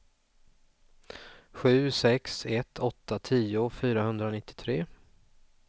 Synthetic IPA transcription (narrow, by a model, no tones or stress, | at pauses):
ɧʉ̟ːsɛksɛt̪ʰɔt̪ʰːat̪ʰiːʊfyːɾaɦɵnd̪ɾanɪt̪ːɪ̥t̪ʰɾeː